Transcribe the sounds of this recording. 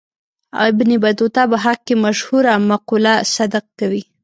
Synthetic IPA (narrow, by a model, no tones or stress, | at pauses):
a̰ɪbnibad̪ot̪ɑbaɦaq̚kemaʃhuɾamaqulasad̪aq̚kawi